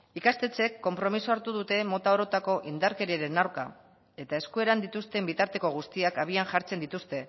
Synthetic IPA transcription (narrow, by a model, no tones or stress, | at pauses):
ikast̪e̞t͡se̞kːo̞mpɾo̞misoaɾt̪uð̞ut̪e̞mo̞t̪ao̞ɾo̞t̪ako̞ʔind̪aɾke̞ɾieɾe̞nawɾka̰ | e̞t̪ae̞skue̞ɾand̪it̪ust̪e̞mbit̪aɾt̪e̞ko̞ɣ̞ust̪iakaβ̞ianʝaɾt͡se̞nd̪it̪ust̪e̞